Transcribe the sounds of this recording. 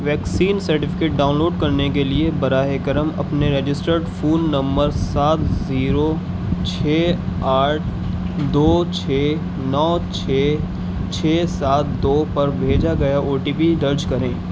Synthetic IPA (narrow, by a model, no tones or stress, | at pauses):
ʋɛːksiːnsɐɾʈɪfɪkeːʈ̚ɖaːʊ̃nloːɖkɐɾnek̬eliebɐɾaːɦekəɾəmɐ̰pneɾed͡ʒɪsʈəɾɖfʰuːnːɐ̃mbəɾsaːt̪ziːɾo | t͡ʃʰeːaːʈ̚ʰ | d̪oːt͡ʃʰeː | nɔːt͡ʃʰeː | t͡ʃʰeːsaːt̪̚d̪oːpɐɾbʱeːd͡ʒaɡɐjaʔoːʈiːpid̪ɐɾd͡ʒkɐɾẽː